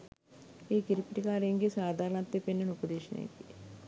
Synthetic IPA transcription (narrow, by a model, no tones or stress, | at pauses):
iːkiɾipːiʈikaːɾeŋɡisaːd̪ʱaːɾɐnɐt̪ːepenːɐnupɐd̪eːʃɐnḛjt̪i̥